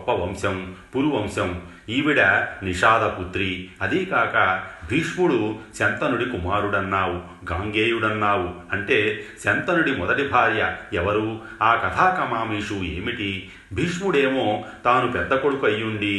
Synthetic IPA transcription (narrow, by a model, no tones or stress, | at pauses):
pːɐʋɐmʃɐmpuɾuʋɐmʃɐm | iːʋiɽɐniʂaːd̪ɐkut̪ɾiɐd̪ikaːkɐbʱiːʂmuɽuʃɐnt̪ɐnuɽikumaːɾuɽɐnːaːwu | ɡaːŋɡeːjuɽɐnːaːwuɐɳʈe̞ːʃɐnt̪ɐnuɽimɔd̪ɐʈibʱaːɾjɐɛʋɐɾuː | aːkɐt̪ʰaːkɐmaːmiːʂuḛːmiʈi | bʱiːʂmuɽeːmo̞ːt̪aːnupɛd̪ːɐkoɽukɐjːuɳɖi